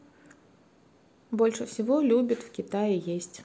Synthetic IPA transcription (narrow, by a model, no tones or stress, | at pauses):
bɔlʲʂɐfsʲivɔlʲubʲɐt̪ʲwkʲit̪ajijesʲt͡sʲ